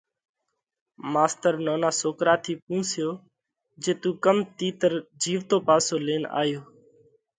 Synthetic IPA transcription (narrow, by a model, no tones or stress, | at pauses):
maːst̪əɾnoːnaːsoːkɾaːt̪ʰiːpũːsɪjoː | d͡ʒeːt̪ũːkəmt̪iːt̪əɾd͡ʒiːʋt̪oːpaːsoːleːna̰ːjoː